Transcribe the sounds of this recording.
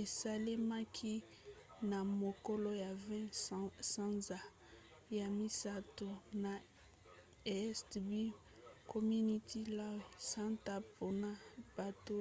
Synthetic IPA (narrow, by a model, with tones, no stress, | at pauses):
e˨sa˨li˦ma˦kʰi˦ | na˨mo˨kɔ˦lo˦ja˨vɛ̃˦sã˦nza˨ | ja˨mi˦sa˦to˨na˨ | e˨˦stbi˦ | kʰo˨mi˦ni˦tʰi˦la˦wsã˦nta˦po˦na˦b̥a˨to˦